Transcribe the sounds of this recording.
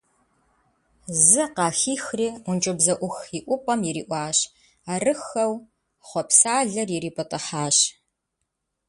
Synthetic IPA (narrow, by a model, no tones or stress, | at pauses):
zɨqɑːxiːxriːʊnt͡ʃʼʊbzɐʔʷʊxiʔʷʊpʼɐmjɛɾḭːʔʷɑːɕ | aːrɨxɐw | χʷɔpsaːɮɐrjiɾiːpʰʼɐtʼɐħaːɕ